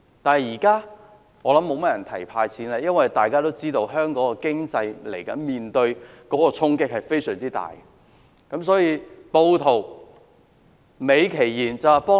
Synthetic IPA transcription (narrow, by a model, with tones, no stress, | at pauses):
t̪aː˨n˨jiː˨˩kaː˥ | ŋɔː˨˧lɐ˨˥mːo˨˧wmɐ˥t̚jɐ˨˩nt̪ʰɐ˨˩jpʰaː˧jt͡sʰiː˨˥naː˧˥jɐ˥nwɐ˨˩jt̪aː˨jkaː˥t̪o˥wt͡siː˥t̪o˧wɦœː˥ŋkɔː˨˥kɔː˧kɪ˥ŋt͡sɐ˧jlḛ˨˩jkɐ̰˨˥nmiː˨nt̪ɵ˧ɥkɔː˨˥kɔː˧t͡sʰʊ˥ŋkɪ˥k̚hɐ˨jfe˥jsœː˨˩ŋt͡siː˥t̪a̰ː˨˩j | kɐ˨˧˥msɔː˨˥jiː˧po˧wt̪ʰo˨˩w | me˨˧jkʰe˨˩jjiː˨˩nt͡sɐ˨wa˨˩pɔː˥